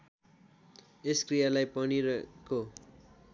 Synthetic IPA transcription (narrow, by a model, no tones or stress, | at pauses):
eskrijalajpʌniɾʌko